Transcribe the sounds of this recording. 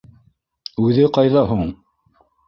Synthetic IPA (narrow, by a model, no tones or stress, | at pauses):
ʉðɘqɑjðɑɦuɴ